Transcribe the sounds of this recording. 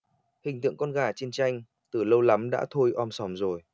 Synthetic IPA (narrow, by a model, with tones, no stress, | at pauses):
hï˨˩ŋ̟t̪ɨ̰˧˨əŋkɔ˧nɣaː˧˩t͡ɕi˧ənt͡ɕa˧jŋ̟ | t̪ɨ˨˩lə˧wla˨˦mɗa̰ː˧˥t̪ʰo˧jʔɔ˧msɔ˨˩mzo˨˩j